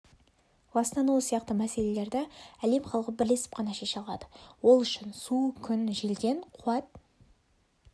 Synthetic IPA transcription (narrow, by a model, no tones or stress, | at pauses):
bɑsnɑnosijɑqt̪əmæse̞le̞le̞ɾd̪ɪæle̞mχɑlˠəʁəbɪɾle̞sɪ̥p̚qʰɑnɑʃe̞ʃɑlˠɑ̰d̪ə̥wo̞lˠʏʃɪnsukʲʰʏnʒelɡʲe̞ɴqʰuɑt̪̚